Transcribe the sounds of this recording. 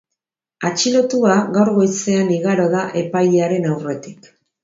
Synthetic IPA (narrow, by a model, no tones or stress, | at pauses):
at͡ʃilo̞t̪uaɣawɾɣo̞jt͡se̞aniɣaɾo̞ðaʔe̞pajeaɾe̞nawre̞t̪i̥k